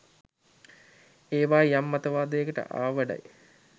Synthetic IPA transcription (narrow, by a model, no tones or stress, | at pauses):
eːʋaːjamːɐt̪əʋaːd̪əjəkəʈə̰ʔa̰ːʋəɖa̰j